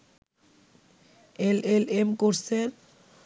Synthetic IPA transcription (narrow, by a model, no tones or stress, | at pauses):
elelemkuɾseɾ